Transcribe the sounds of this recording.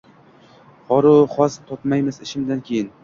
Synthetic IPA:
hɒɾʊχɒst̪ʰɒp̪majmɪzɪʃɪmd̪ankʲʰejɪn

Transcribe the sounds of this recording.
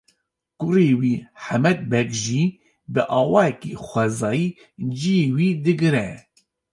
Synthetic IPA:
kʊɾeːwiːħamɛd̪̚bɛkʒiː | bɨʔɑːwɑːjɛkexʷɛzɑːjiː | d͡ʒijeːwiːd̪ɨɡɨɾɛ

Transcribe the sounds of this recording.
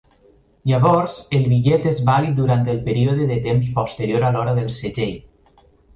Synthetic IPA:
ʎaβɔɾzelˠβiʎɛt̪ezβalit̪̚d̪uɾant̪elˠpeɾioðeðet̪emspɔst̪əɾijoɾalɔɾəðəlˠseʒej

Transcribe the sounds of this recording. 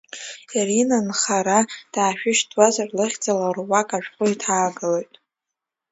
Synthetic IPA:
irinanχaɾad̥aːʃᶣɪʃtʼwazarlɨχʲd͡zʼalarwakʼaʒᶣqʷʼʊitʰaːɡɨlojtʼ

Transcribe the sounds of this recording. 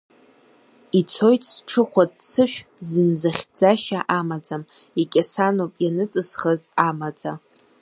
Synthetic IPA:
it͡sʰo̞jtʼʰsʈ͡ʂʰɨχʷadsɨʃᶣzɨnd͡zaχʲd͡zaʃaʔamad͡zamikʲʼasanopʼjanɨt͡sʼɨzχəzamad͡za

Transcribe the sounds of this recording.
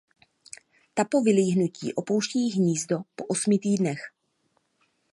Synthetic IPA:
t̪apo̞vɪliːɦnucḭːʔo̞po̞wʃcɛjɪxɲiːzdo̞po̞ʔosmɪt̪iːdnɛx

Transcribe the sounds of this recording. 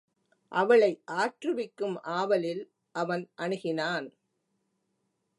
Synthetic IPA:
ʔɐʋɐɭɐɪʔaːʈrɯʋɪkːɯmʔaːʋɐlɪl | ʔɐʋɐnʔɐɳɯɣɪnaːn

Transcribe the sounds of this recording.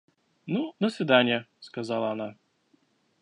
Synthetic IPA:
nud̪əsʲvʲɪd̪anʲɪjəskazalˠɐːna

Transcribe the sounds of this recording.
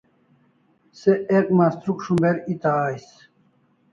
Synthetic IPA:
seekmaːst̪ɾukʂumbeɾit̪aːjs

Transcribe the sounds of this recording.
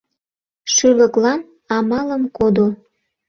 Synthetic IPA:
ʃyləklɑn | ɑmɑləmkod̪o

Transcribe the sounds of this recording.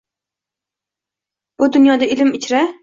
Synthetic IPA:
b̥ʊd̪ʊnjɒd̪aɪlɪmɪt͡ʃʰɾa

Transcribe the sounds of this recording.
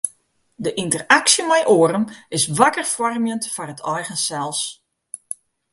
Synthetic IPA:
dəʔintəraksjəmɛjʔoːəɾəmɪsʋakərfɔrmjəntfɔrətʰɔjɣənsɛlˠs

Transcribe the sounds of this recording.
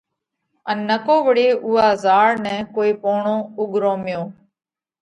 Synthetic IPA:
ənːəkoːʋəɽeːʔʊːaːzaːɽnɛ̃ːkoːiːpoːɳõːʊɠɾoːmɪjõː

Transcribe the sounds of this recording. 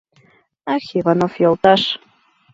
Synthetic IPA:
ɑxivɑnofjolˠt̪ɑʃ

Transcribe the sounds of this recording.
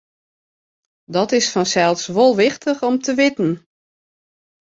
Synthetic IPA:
dɔtɪsfɔnsɛlˠsʋolˠʋɪxtʰəxɔmtʰəʋɪtn̩

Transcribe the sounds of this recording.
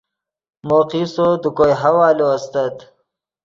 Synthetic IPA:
moːqisod̪ukojɦawaːloast̪at̪

